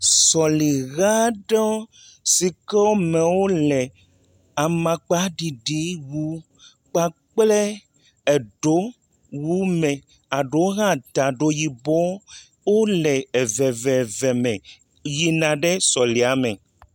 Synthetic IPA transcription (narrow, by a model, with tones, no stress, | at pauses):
sɔ˨li˨ɣa˦ɖɔ˦ | si˨kɛ˦wo˦mɛ̃˨wo˦lɛ˨ | a˨mã˨k͡pa˦ɖi˨ɖi˦wu˦ | k͡pa˨k͡plɛ˦ | ɛ˨ɖo˦ | wu˦mɛ̃˨ | a˨ɖo˨˦ɣã˦˨t̪a˨ɖo˨ji˨bɔ˦ | wo˦lɛ˨ɛ˨vɛ˨vɛ˨vɛ˨mɛ̃˨ | ji˨nã˨ɖɛ˦sɔ˨li˨a˨mɛ̃˨